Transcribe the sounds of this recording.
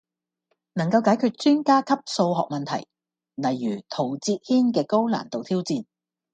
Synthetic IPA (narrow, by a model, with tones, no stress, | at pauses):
nɐ˨˩ŋkɐ˧wkaː˨˥jkʰyː˧t̚t͡ʃyː˥nkaː˥kʰɐ˥p̚so˧wɦɔ̰ː˨k̚mɐ˨nt̪ʰɐ̰˨˩j | lɐ˨˩jːyː˨˩t̪ʰo˨˩wt͡siː˧t̚hiː˥nkɛː˧ko˥wla̰ː˨˩nt̪o˨wt̪ʰiː˥wt͡siː˧n